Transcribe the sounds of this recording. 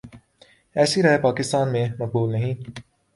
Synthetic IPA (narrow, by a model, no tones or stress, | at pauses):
ɛːsiɾɐːepaːkɪst̪aːnmẽmɐk̚buːlnɐɦĩː